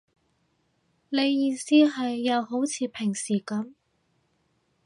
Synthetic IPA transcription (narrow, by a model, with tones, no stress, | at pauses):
ne˨˧jːiː˧siː˥ɦɐ˨jːɐ˨˧wɦo˨˥wt͡sʰiː˨˧pʰɪ˨˩ŋsiː˨˩kɐ˨˥m